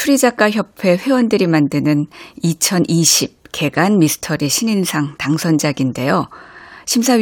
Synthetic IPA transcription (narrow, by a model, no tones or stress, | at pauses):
tʰuɾid͡ʑak͈açjʌpʰe̞ɸwe̞wʌndɯɾimandɯnɯnit͡ɕʰʌnʔiɕʰip̚ke̞ɡanmisʰɯ̥tʰʌɾiɕʰininsʰaŋtaŋsʰʌnd͡ʑaɡinde̞joɕʰimsʰa